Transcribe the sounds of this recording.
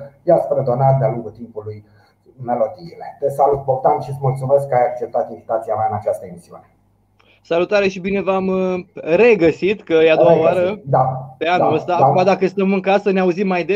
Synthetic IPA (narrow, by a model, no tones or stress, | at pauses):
jaspɾed̪o̞nat̪d̪ealuŋɡut̪impuluj | me̞lo̞d̪iːlet̪esalut̪̚bokt̪amʃit̪smult̪sume̞skːəajak̚t͡ʃep̚t̪at̪invit̪at̪siameaɨnat͡ʃast̪əemisiṵne̞ | salut̪aɾe̞ʃibine̞vamre̞ɡəsit̪kəjead̪owaaoaɾəd̪ape̞anuləst̪aakuad̪akəst̪əmɨŋkasəneauzimːajd̪e